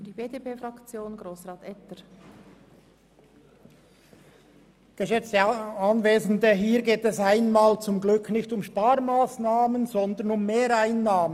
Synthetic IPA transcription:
d̥iːbeːdepeːfʁɑkt͡sjoːnɡɾoːsʁɑːtɛtəɾ | ɡ̥əʃɛt͡stəɑnveːzn̩dəɦiːɾɡeːtɛsaɪnmaːlt͡sʊmɡlʏkʰnɪçtʊmʃpaːɾmaːsnaːmənzɔnd̪ənʊmːeːɾaɪnːaːmə

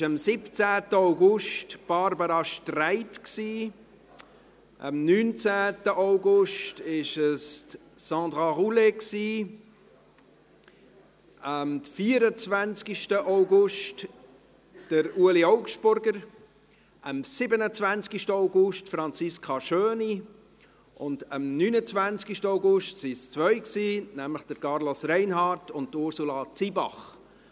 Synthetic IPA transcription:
ʃəmsɪpt͡sæːtəaʊɡʊʃtb̥ɑɾbəɾɑʃtraɪtksiː | ʔə̰mnyːnt͡sæːtəʔaʊɡʊʃtɪʃəst | sɑ̃ːd̪ʁɑʁuleksiː | əmfiːəɾət͡svænt͡skiʃtəʔaʊɡʊʃt | d̥əɾuəliɔʊkʃtb̥ʊɾɡəɾ | ʔəmsɪbənət͡svænt͡skiʃtəoʊɡʊʃtfɾɑnt͡sɪskʰɑʃøːni | ʔʊndəmnyːnət͡svænt͡skiʃtəoʊɡʊʃtsɪst͡svœʏksiːnæmləχd̥əɾkɑɾlosɾɛɪnɦɑːtʊnt̚tʊɾsulɑt͡sibɑ̰χ

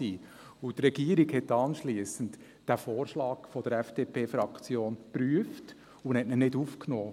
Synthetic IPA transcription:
iː | ʊt̪rɛɡ̥iːəɾiɡhɛtːɑnʃliəsən̩t | d̥æfoːɾʃlɑːkfɔd̥əɾɛfd̥eːpʰeːfɾɑkt͡sjoːnpɾyəft | ʊnhɛtnənɪdufknoː

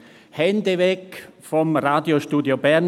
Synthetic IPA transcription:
hɛndəvɛkfɔmʁaːdjoʃtuːdjobɛʁn

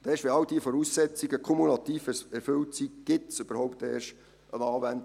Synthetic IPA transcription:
d̥̪ɛːʃʋeɑld̥̪iəfɔɾuːsːɛt͡sɪɡəkʰɔmulɑt̪iːfɛɾføltsiɡ̥ɪtsøb̥əɾhɔʊp̚t̪eːɾʃ | ənɑːvænd

